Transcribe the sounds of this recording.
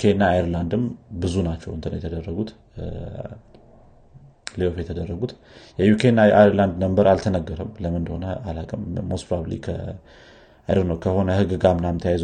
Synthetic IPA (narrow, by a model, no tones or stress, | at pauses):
kʰenːaːjɾland̪ɨmbɨzunat͡ʃːɛwɨnt̪ɨnəwjɛt̪ʰəd̪ərːəɡut̪ | leofjɛt̪ʰəd̪ərːəɡut̪ | jɛjukʰenːaʔaɾland̪nəmbəɾalt̪ʰənəɡːəɾəmləmɨnd̪əho̞nəalakʼɨmːospɾablḭkʰə̰ | ajɾɾnəwkʰəho̞nəhɨɡɨɡamɨnamt̪ʰəjajz